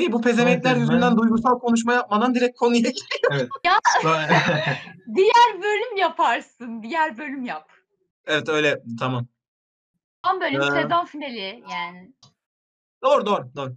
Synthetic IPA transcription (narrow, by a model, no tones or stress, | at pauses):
ijibupʰe̞ze̞mɛt̪lʲæɾjyzynd̪ænd̪ujɡuɾsalˠkʰo̞nuʃ̬majap̚mad̪and̪iɾɛc̚kʰo̞nujaɟit̪ijoɛt̪ja | d̪ijæɾbø̞lʲymjapʰaɾsɯnd̪ijæɾbø̞lʲymjap | ɛvɛt̪ø̞jlʲɛt̪ʰamam | amabøːlʲɛsezanfinelʲɪjaːnɪ | d̪̥oːɾud̪oːɾud̪oːɾu